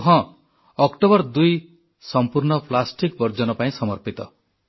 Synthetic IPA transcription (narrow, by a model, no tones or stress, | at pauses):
ɦɔ̃ | ɔkʈobɔɾd̪uj | sɔmpuɾɳɔpʰlasʈikbɔɾd͡ʒɔnɔpaĩsɔmɔɾpit̪ɔ̰